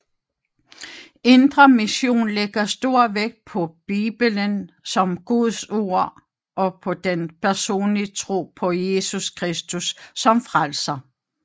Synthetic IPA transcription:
e̝nd̥ʁɐmiɕo̝̰ːnleɡ̥ɐsd̥o̝ɐ̰ʋeɡ̥̚pʰɒ̽b̥ḭːb̥ələn | sɒ̽mɡ̥uðˠso̝ɐ̰ | ʔɒ̽pʰɒ̽d̥enpʰæɐso̝̰ːnlit͡sʰʁo̝̰ːpʰɒ̽je̝suskʰʁɛsd̥usːɒ̽mfʁalsɐ

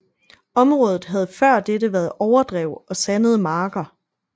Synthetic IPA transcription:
ɒ̽mʁɔ̽ːð̞ˠð̩ˠɦæð̞ˠfɶɐ̰d̥edəʋæːɐð̩ˠɒʊɐd̥ʁɛʊɒ̽sænəð̞̩ˠmɑ̈ːɡ̥ɐ

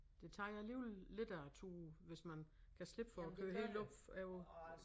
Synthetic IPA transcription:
d̥e̝t͡sʰɑ̈ːjɑɪliʊlle̝d̥æt͡sʰuːʋe̝smænkʰæsle̝b̥fɒɒkʰøːhelɔb̥fæo

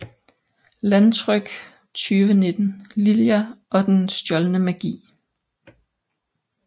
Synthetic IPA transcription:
lænt͡sʰʁœɡ̥ | t͡sʰyːʋəne̝d̥n̩liljæʔɒ̽d̥ensd̥jɒ̽lnəmæɡ̥ḭː

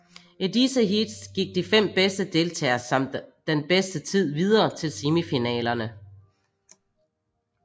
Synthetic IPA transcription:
ʔidisəɦid̥sɡ̥iɡ̥̚d̥ifem̰b̥esd̥əd̥e̝lt͡sʰɛ̰ːɐsɑ̈m̰d̥ː | enb̥esd̥ət͡sʰið̞̰ˠʋið̞ˠɐːt͡sʰe̝lsimifinɛ̰ːlɐnə

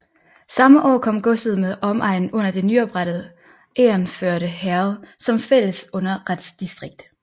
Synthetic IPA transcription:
sɑ̈məʔɒ̰ːkʰɒ̽m̰ɡ̥ɔ̽səð̞̩ˠmeðˠɒ̽mʔɑ̈ɪ̰n̩ɔ̽n̰ɐd̥e̝nyɒ̽b̥ʁaɾ̥ð̞̩ˠ | ʔḛːɐnføɐɾəhæɐʊsɒ̽mfel̰əsɔ̽n̰ɐʁad̥sd̥isd̥ʁeɡ̥̚d̥

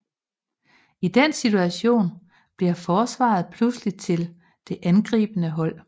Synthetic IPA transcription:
id̥ensit͡sʰuæɕo̝̰ːn | b̥liɐfɒːsʋɑ̰̈ð̞̩ˠpʰluslit͡sʰe̝l | d̥e̝ʔænɡ̥ʁḭːb̥ənəɦɒ̽l̰

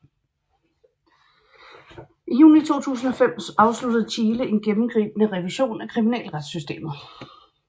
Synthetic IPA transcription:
ʔijṵːnit͡sʰo̝̰ːt͡sʰṵːsn̩ɒ̽fem̰sɑ̈ʊslud̥ð̞̩ˠt͡ɕʰiːləe̝nɡ̥emm̩ɡ̥ʁḭːb̥meʁɛʋiɕo̝̰ːnækʰʁiminɛ̰ːlʁad̥sysd̥e̝̰ːmɐ

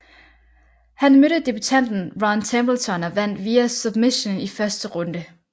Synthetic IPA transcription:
hænmøɾ̥əd̥ib̥yt͡sʰæn̰d̥n̩ʋɑnt͡sʰemb̥əlt͡sʰɒ̽nɒʋæn̰d̥ʋiːæsub̥miɕonifɶɐsd̥əʁɔ̽nd̥ə

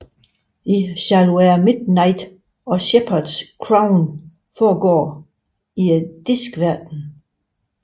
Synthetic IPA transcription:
isælueːɐmid̥nɑɪd̥ | ɒ̽ɕepʰɐd̥skʰʁaʊn | fɒːɡɒ̰ː | id̥isɡ̥ʋæɐd̥n̩

